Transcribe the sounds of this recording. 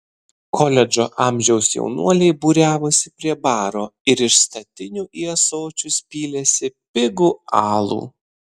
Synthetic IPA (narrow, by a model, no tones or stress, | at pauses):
kʰɔlʲɛd͡ʒo̰ːʔɑˑmʲʒʲɛʊsjɛ̰ʊnṵɔlʲɛɪbuːɾʲæːʋosʲɪpʲɾʲiɛbɑːɾoːɪɾɪʃst̪ɐt̪ʲɪnʲuʔiɛsoːt͡ʃʲʊsʲpʲiːlʲɛsʲɪpʲɪɡuɑːlˠṵː